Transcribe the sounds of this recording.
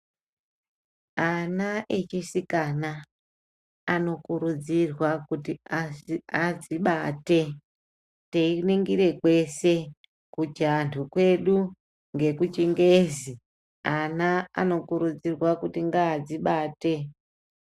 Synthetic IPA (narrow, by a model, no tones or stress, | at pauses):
anaʔet͡ʃisikana | no̞kuɾud͡zirwakutiaiad͡ziɓate | teineŋɡiɾe̞kwe̞se | kud͡ʒantʰukwe̞ɗu | ŋɡe̞kut͡ʃiŋɡezi | anaa̰no̞kuɾud͡zirwakutiŋɡaːd͡ziɓaːte